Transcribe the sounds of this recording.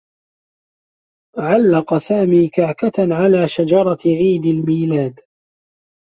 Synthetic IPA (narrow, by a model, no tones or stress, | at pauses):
ʕalːɑqɑsaːmiːkaʕkat̪ʕalaːʃad͡ʒɑɾˤɑʕiːd̪almiːlaːd̪